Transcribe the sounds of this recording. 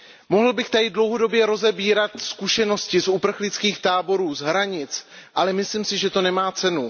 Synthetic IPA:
mo̞ɦl̩bɪxt̪adɪdlowɦo̞do̞bjɛɾo̞zɛbiːɾat̪skuʃɛno̞scɪsupr̩xlɪt͡skiːxt̪aːbo̞ɾuːzɦɾaɲɪt͡sʔalɛmɪsliːmsɪʒɛt̪o̞nɛmaːt͡sɛnu

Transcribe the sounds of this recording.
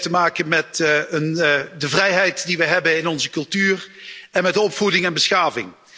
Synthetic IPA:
təmaːkənmɛtəndəvrɛjɦɛjtdiʋəjɦɛbənɪnɔnzəkɵlˠtyːrɛnmɛtdəɔpfudɪŋɛnbəsxaːvɪ̰ŋ

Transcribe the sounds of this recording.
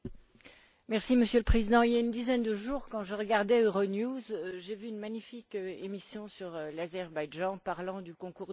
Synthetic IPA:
mɛʁsiməsjøləpχezid̪ɑ̃iljaynd̪izɛnd̪əʒuʁkɑ̃ʒəʁəɡaʁd̪ɛøʁonjuzʒevyːnmaɲifikemisjɔ̃syʁlazɛʁbajʒɑ̃paʁlɑ̃d̪ykɔ̃kuʁ

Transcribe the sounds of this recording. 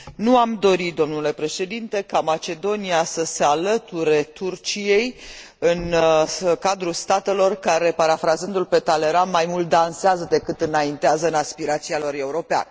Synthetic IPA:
nuamd̪o̞ɾit̪̚d̪o̞mnule̞pɾe̞ʃe̞d̪int̪e̞kamat͡ʃe̞d̪o̞niasəse̞alət̪uɾe̞t̪urt͡ʃije̞j | ɨn | kad̪ɾulst̪at̪e̞lo̞rkaɾe̞paɾafɾazɨnd̪ulpe̞t̪ale̞ɾanmajmult̪̚d̪anseazəd̪e̞kɨt̪ɨnaint̪eazəɨnaspiɾat̪sialo̞re̞uɾo̞pea̰nə

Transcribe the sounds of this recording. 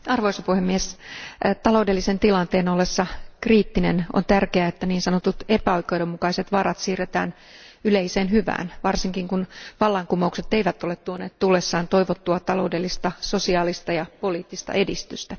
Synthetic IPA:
ɑrʋoisɑpuhemːies | t̪ɑlo̞wdelːisent̪ilɑnt̪eːnolːesːɑkriːt̪ːineno̰nt̪ærkeæet̪ːæniːnsɑnot̪ut̪e̞pæoikːeudomukɑise̞t̪ʋɑrɑt̪siːret̪æ̰ːn | yleiseːnɦyʋæ̰ːnʋɑrsiŋkiŋkunʋɑlːɑŋkumoukset̪eiʋæt̪ːolet̪t̪uoneːt̪t̪ulːesːɑːnt̪o̞jʋot̪ːuɑt̪ɑlo̞wde̞lːist̪ɑso̞siɑːlist̪ɑjɑpo̞liːt̪ːist̪ɑ̰ʔe̞dist̪yst̪æ

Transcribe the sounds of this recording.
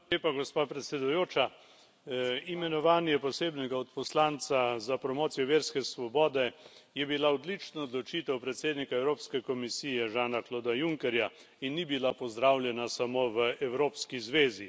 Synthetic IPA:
eːpaɡɔspaːpɾɛt̪sɛd̪ujoːt͡ʃa | imɛnɔʋaːnjɛpɔseːbnɛɡaɔt̪pɔslaːnt̪sazapɾɔmoːt̪sijɔʋeːɾskɛsʋɔbɔːd̪ɛjɛbilaɔd̪lit͡ʃnɔːd̪lɔt͡ʃit̪ɛwpɾɛt̪seːd̪nikaɛwɾoːpskɛkɔmisiːjɛʒaːnakloːd̪ajuŋkɛɾja | inːibilapɔzd̪ɾawljɛnasamoʋəʔɛwɾoːpskizʋeːzi

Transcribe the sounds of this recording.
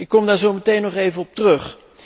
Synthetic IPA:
ɪkːɔmdaːɹzowmətejnɔχejvənɔp̚tərɵχ

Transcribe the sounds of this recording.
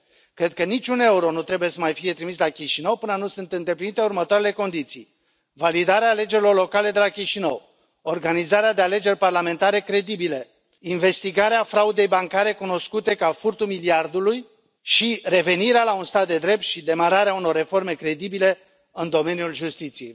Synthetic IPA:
kɾe̞d̪̚kənit͡ʃʲune̞uɾo̞nut̪ɾe̞buje̞səmajfije̞t̪ɾimislakʲiʃinəwpɨnənusɨnt̪ɨnd̪e̞plinit̪e̞urmət̪oaɾe̞le̞ko̞nd̪it̪sḭj | valid̪aɾeaːle̞d͡ʒeɾilo̞rlo̞kale̞d̪e̞lakʲiʃinəw | o̞rɡanizaɾead̪e̞ale̞d͡ʒe̞rʲparlame̞nt̪aɾe̞kɾe̞d̪ibile | inve̞st̪iɡaɾeafɾaud̪e̞jbaŋkaɾe̞kuno̞skut̪e̞kafurt̪umiliard̪uluj | ʃire̞ve̞niɾealaunst̪at̪̚d̪e̞d̪ɾe̞p̚t̪ʃid̪e̞maɾaɾeauno̞rːe̞fo̞rme̞kɾe̞d̪ibile̞ | ɨnd̪o̞me̞njulʒust̪it̪sije̞j

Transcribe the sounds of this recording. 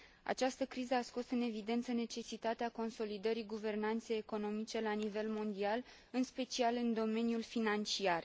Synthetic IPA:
a̰t͡ʃast̪əkɾizəasko̞sɨne̞vid̪e̞nt̪səne̞t͡ʃe̞sit̪at̪eako̞nso̞lid̪əɾiɡuve̞rnant̪se̞jeko̞no̞mit͡ʃe̞lanive̞lmo̞nd̪ial | ɨnspe̞t͡ʃialɨnd̪o̞me̞njulfinant͡ʃiar

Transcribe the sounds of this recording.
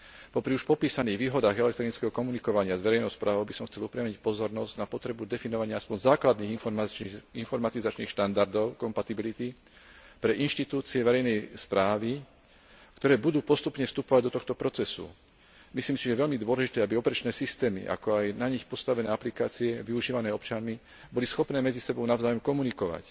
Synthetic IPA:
pɔpɾiuʃpɔpiːsaniːɣʋiːɦɔd̪aːɣɛlɛk̚t̪ɾinit͡skɛɦɔkɔmunikɔʋaɲɪazʋɛɾɛjnɔʊspɾʔaːʋɔʊbisɔmxt͡sɛlupɾɛamɲic̚pɔzɔɾnɔzɟ̥napɔt̪ɾɛbud̪ɛfinɔʋaɲɪaaspɔɲzaːklad̪niːɣ | infɔɾmat̪izat͡ʃniːxʃt̪and̪aɾd̪ɔʊkɔmpat̪ibilit̪i | pɾɛʔinʃt̪it̪uːt͡siɛʋɛɾɛjnɛjspɾaːʋi | kt̪ɔɾɛːbud̪uːpɔst̪upɲɛfst̪upɔʋaɟd̪ɔt̪ɔxt̪ɔpɾɔt͡sɛsṵ | misliːmsiʒɛʋɛʎmid̪ʊɔlɛʒit̪ɛːabiɔpɛɾɛt͡ʃnɛːsist̪ɛːmḭʔa̰kɔajnaɲixpɔst̪aʋɛnɛːaplikaːt͡siɛʋiuʒiːʋanɛːɔpt͡ʃanmi | bɔlisxɔpnɛːmɛd͡zisɛbɔʊnavzaːjɔmkɔmunikɔʋa̰c

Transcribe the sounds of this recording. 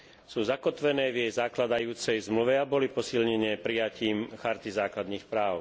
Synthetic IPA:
suːzakɔt̪ʋɛnɛːvjɛjzaklad̪ajuːt͡sɛjzmluʋɛabɔlipɔsilɲɛɲɛːpɾijaciːmxaɾt̪izaːklad̪niːxpɾaːʊ

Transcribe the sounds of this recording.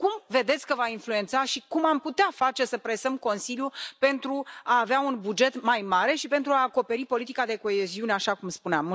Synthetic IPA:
kumve̞d̪et̪sʲkəvainflue̞nt̪saʃikumamput̪eafat͡ʃe̞səpɾe̞səmko̞nsiljupe̞nt̪ɾuaːveaunbud͡ʒe̞t̪majmaɾe̞ʃipe̞nt̪ɾuaːko̞pe̞ɾipo̞lit̪ikad̪e̞ko̞e̞ziuneaʃakumspuneam

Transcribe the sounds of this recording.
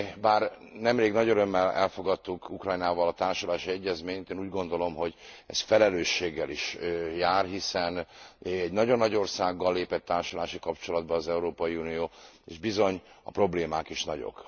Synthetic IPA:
baːr | nɛmreːɡnɒɟøɾømːɛlɛ̰lfo̞ɡɒt̪ːukukrɒjnaːvɒlɒt̪aːrʃolaːʃiɛɟːɛzmeːɲt̪eːnuːɟɡo̞nd̪o̞lo̞mɦo̞ɟɛ̰sfɛlɛløːʃːeːɡːɛliʃjaːrɦisɛnɛɟnɒɟonːɒɟo̞rsaːɡːɒlːeːpɛt̪ːaːrʃolaːʃikɒpt͡ʃo̞lɒd̪bɒːzɛuɾoːpɒjiunijoː | ḛːʒbizo̞ɲɒ̰pro̞bleːmaːkiʃnɒɟo̞̰k

